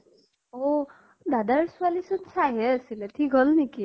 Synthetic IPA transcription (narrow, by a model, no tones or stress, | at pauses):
o | dadaɹsʊalisɔnsaɦɛasilɛtʰikolniki